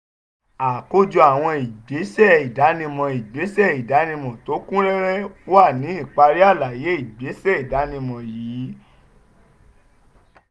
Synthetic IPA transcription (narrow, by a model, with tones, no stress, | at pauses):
a˨ko˧˦d͡ʒu˧a˨w̃ɔ̃˧i˨ɡ͡be˨˦sɛ˦˨i˨da˨˦nĩ˧mɔ̃˨˧i˨ɡ͡be˨˦sɛ˦˨i˨da˨˦nĩ˧mɔ̃˨to˨˦kũ˦ɾɛ˦ɾɛ˦wa˦˨nĩ˨˦i˦˨k͡pa˧ɾi˦a˦˨la˨je˨˦i˦˨ɡ͡be˨˦sɛ˦˨i˨da˨˦nĩ˧mɔ̃˨jiː˨˦